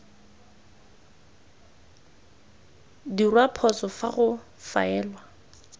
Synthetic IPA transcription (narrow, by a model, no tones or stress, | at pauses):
dirwapʰɔt͡sɔfaɣʊ | fa̰ɛːlwa